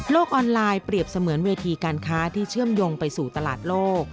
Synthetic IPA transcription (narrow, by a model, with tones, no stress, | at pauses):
loː˥˩k̚ʔɔː˧nlaː˧jpɾi˨˩əp̚sa˧mɯ˩˦ənweː˧t̪ʰiː˧kaː˧nkʰaː˦˥t̪ʰiː˥˩t͡ɕʰɯ˥˩əmjoː˧ŋpa˧jsuː˨˩t̪a˧la̰ː˨˩t̪̚loː˥˩k̚